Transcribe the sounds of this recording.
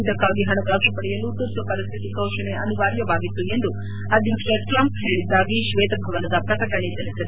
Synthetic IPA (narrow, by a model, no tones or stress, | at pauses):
d̪ɐkːaːɡiɦɐnɐɡɐʃɐpɐɽɛjɐlut̪ut̪ːɐpɐɾist̪ʰit̪ikɐwʃɐneɐniʋaːɾjɐʋaːɡit̪ːue̞nd̪u | ɐd̪int̪eʈɾɐmpɦeːɭid̪ːaːɡiʃʋɛːt̪ɐbʱɐʋɐnɐd̪ɐpɾɐt̪ɐkɐɳit̪ɐlisɐd̪e